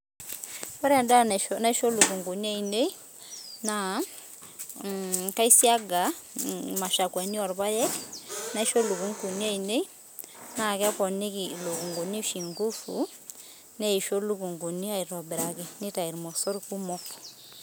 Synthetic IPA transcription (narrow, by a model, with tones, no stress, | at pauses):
wɔ˦ɾɛ˦˨nda˦na˦ʃo˦lu˨ku˨ŋɡo˨ni˦a˦˨i˨ne˦i˦ | na˨ | ka˦i˦si˦a˦ɡa˨ma˨ʃa˨kwa˨ni˦ɔ˨ɾba˦jɛ˦kna˦i˦ʃo˦lu˨ku˦ŋku˨ni˦a˦i˨ne˦i˦ | na˦˨kɛ˦pɔ˨ne˦ki˨lo˨ku˨ŋɡo˨ni˦ʃi˨ŋɡu˦fṵ˨ | nɛ˦i˨ʃo˦lu˦ku˨ŋɡu˨ni˦a˨i˨ɾɔ˨bɛ˨ɾa˨kɛ˨nɪ˦ta˨i˨ɾmɔ˨sɔ˦ɾi˦ku˦mɔ˦kɔ̥˨